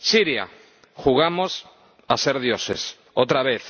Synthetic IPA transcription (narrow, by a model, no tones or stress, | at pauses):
siɾja̰ | xuɣamos | aseɾðjosḛs | owt̪ɾaβeθ